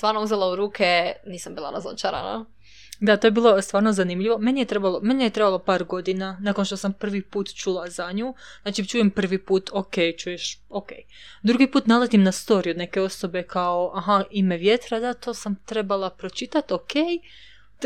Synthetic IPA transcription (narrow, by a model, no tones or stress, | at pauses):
st̪ʋaːɾnouzelauɾuːkʰeniːsambiːlˠa̰ɾazo̰t͡ʃaɾa̰na̰ | d̪at̪ojebiːlˠo̞st̪ʋaːɾnozanimʎiʋo̞me̞nijet̪ɾe̞balo̞me̞nijet̪ɾebalˠo̞paːɾɡo̞d̪inanako̞nʃt̪o̞sampr̩ʋipuːt̪t͡ʃulazaɲuːznaːt͡ʃit͡ʃuːjempr̩ʋipuːt̪ʰokejt͡ʃuːjeʃokḛj | d̪ɾuɡipuːt̪nalˠet̪imnast̪o̞ɾiod̪ne̞ke̞o̞so̞be̞kao̞ʔaɦaimeʋjet̪ɾad̪at̪o̞ːsamt̪ɾe̞balˠapɾo̞t͡ʃit̪at̪okej